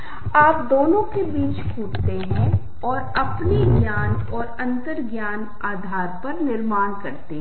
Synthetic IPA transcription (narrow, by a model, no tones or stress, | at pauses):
aːpd̪oːnõkebiːt͡ʃkʰuːʈt̪eɦɛ̃ | ɔːɾɐpniɡjaːnɔːɾɐ̃nt̪əɾɡjaːn | aːd̪ʱaːɾpɐɾnɪɾmaːnkɐɾt̪eɦ